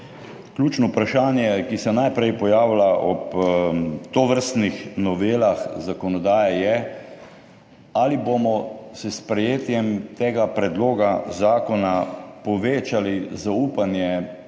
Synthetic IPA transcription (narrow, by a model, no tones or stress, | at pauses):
klʲjuːt͡ʃnɔupɾaʃaːnjɛkisɛnajpɾɛjpɔjaːwlaʔɔp | t̪oʋəɾst̪nixnɔʋeːlaxzakɔnɔd̪aːjɛjɛ | alibomɔsɛspɾɛjeːt̪jɛmt̪eːɡapɾɛd̪loːɡazaːkɔnapɔʋeːt͡ʃalizauːpanjɛ